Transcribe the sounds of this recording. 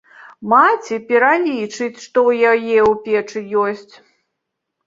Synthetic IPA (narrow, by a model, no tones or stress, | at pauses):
mat͡sʲipʲɛɾalʲit͡ʂɨt͡sʲʂt̪ɔwjajɛupʲɛt͡ʂɨjɔsʲt͡sʲ